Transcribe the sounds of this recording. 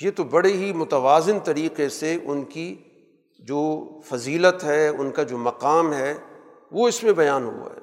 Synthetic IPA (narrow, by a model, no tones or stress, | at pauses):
jet̪obɐɽeɦimʊt̪ɐʋaːzɪnt̪ɐɾiːqeseʔʊnki | d͡ʒoːfɐziːlət̪ɦɛːʊ̰nkad͡ʒoːmɐqaːmɦɛ | ʋoɪsmẽbɐjaːnɦṵa̰ɦɛ̰ː